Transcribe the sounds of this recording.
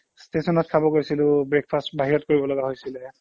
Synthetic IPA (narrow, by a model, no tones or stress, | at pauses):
stesɔnɔt̚kʰabɔɡojsilʊ̃bɹek̚pʰastbaɦiɹɔtkoɹibɔlɔɡaɦojsilɛ